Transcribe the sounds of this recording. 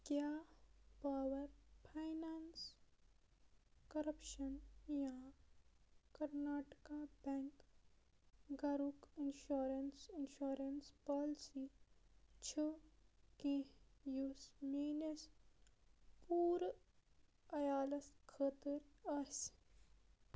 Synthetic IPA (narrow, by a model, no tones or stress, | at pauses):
kjaːpaːʋɐɾpʰajnaːns | kɐɾɐpʃɐnjã | kɐɾnaːʈkabɛ̃ŋk | ɡɐɾukinʃuːɾensinʃuːɾenspɔːlsiː | t͡ʃʰɨkẽjusmeːnes | puːɾ | ɐjaːlɐskʰəːt̪iɾɐs